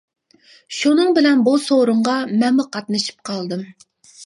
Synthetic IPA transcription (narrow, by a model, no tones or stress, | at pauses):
ʃunɨŋbɪlɛnbusoɾʊɴʁɑmɛnmuqʰɑt̪nɨʃi̥p̚qʰɑlˠd̪ɨm